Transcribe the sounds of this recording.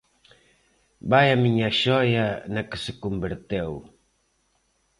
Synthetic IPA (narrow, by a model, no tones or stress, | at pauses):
bajɐmiɲɐʃɔjɐnɐkɪ̥sɪkumbeɾt̪ew